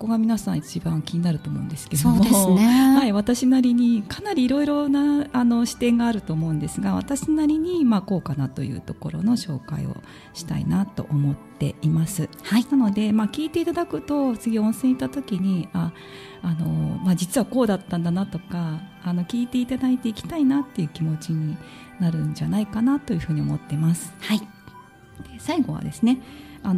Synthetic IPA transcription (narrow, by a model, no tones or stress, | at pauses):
okoɡamʲinasãɰ̃it͡ɕibãŋkʲiɲ̟inaɾɯ̟t̪o̞ːmo̞̰ɯ̟̃nd̪e̞sɨ̥ke̞d̪omohaiβat̪aɕinaɾʲiɲ̟ikanaɾʲiːɾo̞iɾo̞naːno̞ɕi̥t̪ẽ̞ŋɡaːɾɯ̟t̪o̞ːmo̞ɯ̟̃nd̪e̞sɨɡaβa̰t̪aɕinaɾʲiɲ̟imaːko̞ːkanat̪o̞̰jɯ̟̰ːt̪o̞ko̞ɾo̞̰no̞ɕo̞ːka̰ḭo̰ | ɕi̥t̪a̰ḭnat̪o̞̰ʔomo̞t̪ːe̞̰imasɨhainano̞d̪e̞makʲiːt̪e̞it̪ad̪akɯ̟t̪o̞t͡sɨɡʲiõ̞ɰ̃sẽ̞it̪at̪o̞kʲiɲ̟iaː | no̞maːd͡ʑit͡sɨβako̞ːd̪at̪ːãnd̪anat̪o̞kaːno̞kʲiːt̪e̞it̪ad̪ait̪e̞ikʲi̥t̪ainat̪ːe̞jɯ̟ːkʲimo̞t͡ɕiɲ̟i | naɾɯ̟ɲd͡ʑanaikanat̪o̞jɯ̟ɸɯ̟ːɲ̟io̞mo̞t̪ːe̞masɨ̥hai | d̪̥esaiɡo̞βa̰d̪e̞sɨne̞ano